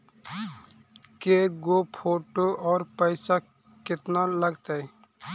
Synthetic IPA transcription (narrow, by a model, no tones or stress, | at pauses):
keɡoːpʰoːʈoɔːɾpəɪsa | kɪt̪naləɡt̪aɛ